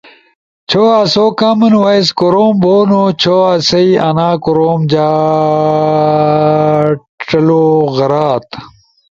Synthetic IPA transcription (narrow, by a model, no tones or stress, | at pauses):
t͡ɕʰoasoːkamɐnwɐjskoɾoːmboːnot͡ɕʰoːasɐiɐnaːkoɾoːmd͡ʑaː | ʈ͡ʂɐloːɣɐɾaːt̪